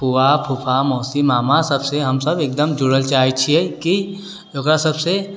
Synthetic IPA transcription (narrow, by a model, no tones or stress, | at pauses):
puʋapʰupʰamɔːsimaːmasɐbseɦɐmsɐbeːk̚d̪əmd͡ʒʊɽəlt͡ʃaːit͡ʃʰiɛki | d͡ʒoːkɾasɐbse